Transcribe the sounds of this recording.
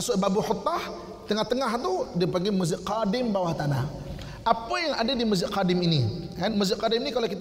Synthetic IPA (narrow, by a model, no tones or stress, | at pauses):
asʊʔbabuhot̪ːah | t̪əŋaht̪əŋaɦt̪udipaŋɡimuzɪʔqadɪmbawaht̪ana̰h | ʔapajaŋa̰dadimuzɪʔqadɪminikanmuzɪʔ̚qadɪminikalokit̪